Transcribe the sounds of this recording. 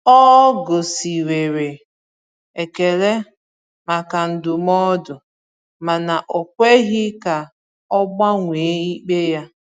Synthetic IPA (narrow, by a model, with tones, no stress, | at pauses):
ɔ˦ɡo˨si˨ɾe˨ɾe˨ | e˨ke˨le˦ | ma˨ka˨n̩˨dʊ˨mɔ˦dʊ˨ | ma˨na˨ʔo˨kʷe˦ɣɪ˦ka˨ | ɔ˦ɡ͡ba˦ŋʷe˨˦i˦k͡pe˦ja˦